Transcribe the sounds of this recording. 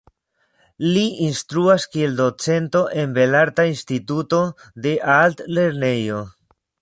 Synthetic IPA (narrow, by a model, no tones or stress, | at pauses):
liinst̪ɾuaskie̞ld̪o̞t͡se̞nto̞ʔe̞nbe̞laɾt̪ainst̪ituto̞d̪e̞ʔalt̪le̞ɾne̞jo̞